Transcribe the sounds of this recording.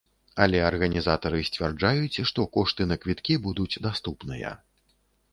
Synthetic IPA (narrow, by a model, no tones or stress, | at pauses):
ɐlʲɛɐrɣɐnʲizat̪ɐɾɨsʲt͡sʲvʲɛrd͡ʐajut͡sʲʂt̪ɔkɔʂt̪ɨnɐkvʲit̪kʲibud̪ut͡sʲd̪ast̪upnɨjɐ̰